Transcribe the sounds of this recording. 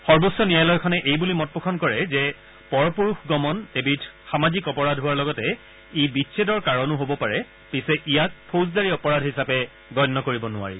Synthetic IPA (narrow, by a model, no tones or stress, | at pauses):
xɔɹbosɔnijajlɔjkʰɔnɛʔejbulimɔt̚pɔkʰɔnkɔɹɛzɛ | pɔɹɔpoɹuxɡɔmɔnebitʰxamazikɔpɔɹadʱɦʊwaɹlɔɡɔtɛ | ebitsʰedɔɹkaɹɔnʊɦobɔpaɹɛ | pisɛʔijat̚pʰos̬daɹiɔpɔɹadʱɦisapɛ | ɡɔjnːɔkoɹibɔnʊa̰ɹḭ